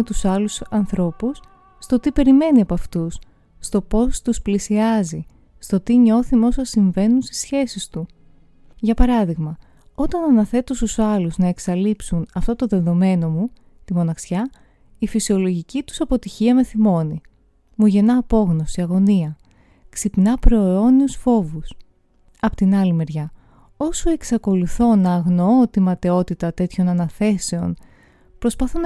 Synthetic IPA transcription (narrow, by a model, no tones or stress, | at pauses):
et̪usɐlusɐnθɾo̞pusː | t̪o̞t̪ipe̞ɾime̞niɐpɐft̪usː | t̪o̞po̞st̪usplisiɐzi | st̪o̞t̪iɲo̞θimeo̞sɐsiɱve̞nunst̪i̥sçe̞sist̪u | ʝɐpɐɾɐðiɣmɐ | o̞t̪ɐnɐnɐθe̞t̪ost̪usɐluznɐe̞ksɐlipsunɐft̪o̞t̪oðe̞ðo̞me̞no̞mu | t̪imo̞nɐxsçɐ | ifisio̞lo̞ʝicit̪u̥sɐpo̞t̪içiɐme̞θimo̞ni | muʝe̞nɐːpo̞ɣno̞siɐɣo̞niɐ | ksipinɐpɾo̞eo̞niusfo̞vus | ɐpot̪inɐlime̞ɾʝɐ | o̞sue̞ksɐko̞luθo̞nɐːɣno̞ot̪imɐt̪e̞o̞t̪it̪ɐt̪e̞t̪ço̞nɐnɐθe̞se̞on | pɾo̞spɐθon